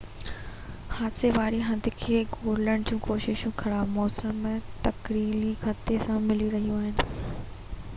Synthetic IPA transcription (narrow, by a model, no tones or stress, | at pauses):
haːd̪seʋaːɾiɦɐ̃nd̪ʱɪ̆kʰeːɡoːləɽ̃d͡ʑũːkoːʃɪʃũxʰɐɾaːbmɔːsəmːẽt̪ɐkɾiːlixɐt̪esãmɪliɾɐɦijũaːɦɪnɪ̆